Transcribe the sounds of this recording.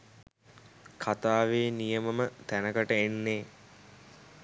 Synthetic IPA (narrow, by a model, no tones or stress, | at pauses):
kʰat̪aːʋeːnijəməmət̪ænəkəʈəenːeː